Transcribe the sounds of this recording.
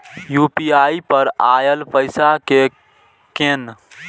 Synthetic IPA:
juːpiːaːipəɾaːjəlpəɪsake | ken

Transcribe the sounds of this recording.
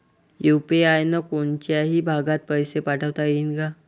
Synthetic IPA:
jupeajnəkoɳt͡ɕjaɦiːbʱaɡãt̪̚pəjsepaʈʰəʋt̪ainɡa

